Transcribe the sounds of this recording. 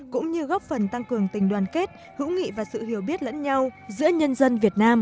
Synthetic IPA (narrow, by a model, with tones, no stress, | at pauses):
kʊ̰˧˥ŋ͡mɲɨ˧ɣɔ˦˥p̚fə˨˩nt̪a˧ŋkɨ˨˩əŋt̪ï˨˩ŋ̟ɗwaː˨˩nke˦˥t̚ | hɨ̰˧˥wŋḭ˧˨vaː˨˩sɨ̰˧˨hi˨˩əwɓi˦˥ət̚lə̰˧˥nɲa˧wzɨ̰˧˥əɲə˧nzə˧nvi˨˩ət̚naː˧m